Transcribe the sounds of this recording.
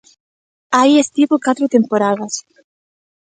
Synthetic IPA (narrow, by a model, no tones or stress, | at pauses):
ajest̪iβokat̪ɾot̪empoɾaðas